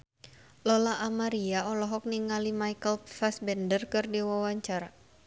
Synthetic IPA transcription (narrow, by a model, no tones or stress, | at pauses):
lɔlaʔamaɾiaɔlɔɦɔk̚niŋalimajkəlfasbɛndərkɨrdiwawaɲt͡ʃaɾa